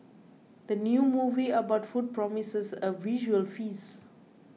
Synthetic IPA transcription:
d̪̥ənjumuviəbaʊtfud̚pɹɔmisəsəviʒuəlfis

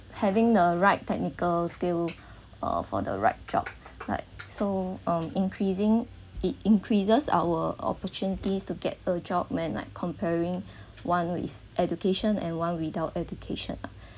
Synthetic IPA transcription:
hɛvɪ̃ŋdəɹaɪtʰːɛk̚nikəlskil | ʌ̰fɔ̰də̰ɹa̰ɪt̚d͡ʒɔ̰b̥̚la̰ɪk̚soʌ̃mĩŋkʰɹizɪ̃ŋ | it̚ĩŋkʰɹizəsa̰wəɔ̰pətʰunitistuɡɛ̰t̚əd͡ʒɔb̚mɛ̃nla̰ɪkʰːɔ̃mpʰɛɹɪ̃ŋ | wãnwḭθ | ʔɛd͡ʒukeʃə̃nɛ̰̃nwãnwidaʊtɛdukʰḛʃə̰̃na

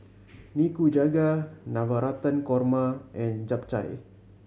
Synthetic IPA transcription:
nikud͡ʒaɡanawaɾat̪ankɔrmaʔɛnd͡ʒap̚t͡ʃa̰j

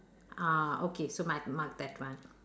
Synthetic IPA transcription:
aokesomakmaɡ̚d̪ɛtʋãn

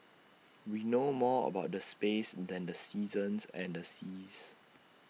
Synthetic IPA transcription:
winomɔə̰baʊt̚dəspesdɛ̃ndəsiːzə̃nsɛ̰̃ndəsiːz

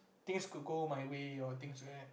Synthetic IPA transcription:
t̪ɪ̃ŋskud̚ɡomajweɔt̪ɪ̃ŋsɛ

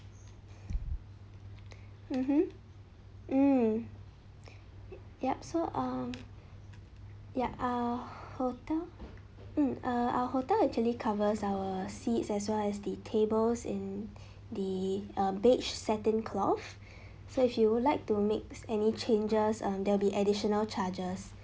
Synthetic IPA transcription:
m̩m̥m̩ | m̩ | jasoʔʌm | jaʔaəhotɛl | m̩ʔʌʔa̰ʊəhotɛlɛk̚t͡ʃuəlikʰavəsaʊəsitsɛs̬wɛlɛsdətʰebəlsɪ̰̃n | d̪iʌ̃mbet͡ʃsɛtə̃nkʰlɔ̰f | soɪfjuwlaɪk̚tumek̚sɛnit͡ʃẽnd͡ʒəsʌ̃mdɛwɪlˠbiʔɛdiʃɔnəlt͡ʃad͡ʒəs

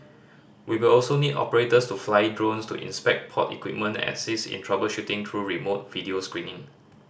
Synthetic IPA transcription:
wiwilɔlsonidɔ̰pəɹetəstuflaɪdɹõnstṵʔḭ̃nspɛk̚t̚pʰɔ̰tḭkwḭp̚mə̃ntɛ̰̃sisḭ̃ntʰɹabəlʃutɪ̃ŋt̪ʰɹuɹimot̚vidioskɹĩnɪ̃ŋ

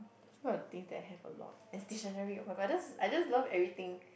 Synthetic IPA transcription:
swɔət̪ĩŋsdɛtaɦɛvə̰lɔ̰t̚ɛ̃nstiʃə̃nɛɹiɔfɛbajd͡ʒasajd͡ʒaslavɛvɹit̪ĩŋ

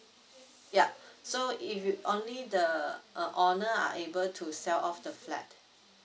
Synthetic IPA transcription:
jasoifʔõnlidəʔʌʔɔnəa̰ʔebəltʰusɛlɔfdəflɛ̰t̚

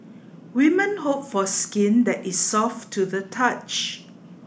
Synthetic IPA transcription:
wimə̃nɦopfɔskĩndɛtissɔftʰːuðətʰat͡ʃ

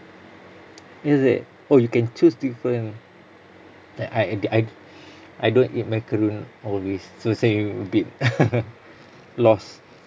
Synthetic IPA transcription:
ɛsɛ̰t | ojukɛ̃nt͡ʃusdifɹə̃n | aajdaj | ʔajdõntḭt̚mɛkəɹũnɔlwisːosẽĩəbit̚ | lɔs

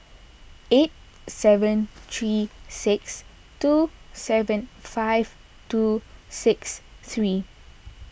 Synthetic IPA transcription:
et̚ | sɛvə̃nt̪ʰɹisɪks | tusɛvə̃nfaɪv | tusɪkst̪ɹi

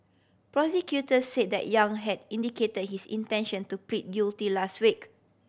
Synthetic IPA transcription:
pɹɔsɛkjutəsːet̚dɛ̰ʔ̚jãŋɦɛdĩndiketəd̚hisḭ̃ntɛ̃nʃə̃ntupɹĩt̚ɡjultilastwik

